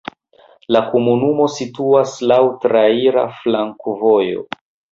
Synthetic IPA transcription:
lakomunumo̞situaslawtɾaiɾa̰flaŋkvo̞jo̞̰

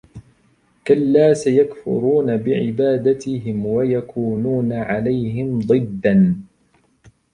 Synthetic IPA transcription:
kalːaːsajakfʊ̰ɾuːnabɪʕɪbaːd̪at̪ɪɦɪmwajakʰuːnuːnaʕalajɦɪmd̪ˤɨd̪ːan

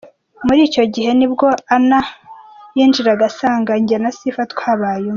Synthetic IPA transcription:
muɾiːco̞ɟihe̞nibɡo̞anajiːnd͡ʒiɾaɡasaːŋɡaɲɟanasifatkwaːβaːjo

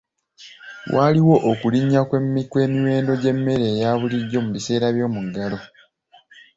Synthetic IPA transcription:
wʔaliwo̞ʔokuliɲːakwemːikwe̞ːmiwe̞ːndo̞ɟe̞mːe̞ɾe̞ːjaːβuliɟːo̞muβise̞ːɾaβjo̞ːmuɡalo

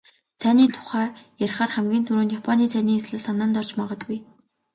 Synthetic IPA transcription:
t͡sʰæːniːt̪ʰʊ̥χæːjæɾ̆ʲχaːrχæmɡʲiːnt̪ʰuɾuːnt̪japʰɔniːt͡sʰæːniːesɮɘ̆ɮsanə̆ːnt̪ɔr̥t͡ɕmaʁɞ̆t̪̚ɡuj

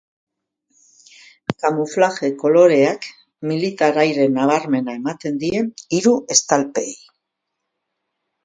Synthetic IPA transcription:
kamuflaxe̞ko̞lo̞ɾe̞ak | milit̪aɾajɾe̞naβ̞aɾme̞nae̞mat̪e̞nd̪ie̞niɾue̞st̪alpḛj

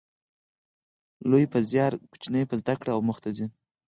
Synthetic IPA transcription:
lojpəzjɑɾku̥t͡ʃnəjpəzd̪akɽaawmʊxt̪azi

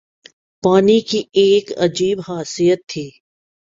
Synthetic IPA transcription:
paːnikieːkɐ̰d͡ʒiːbɦaːsijət̪ʰːiː

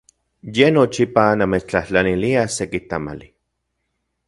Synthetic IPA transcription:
jenot͡ʃipanamet͡ʃt͡ɬaht͡ɬaniliasekit̪ama̰li

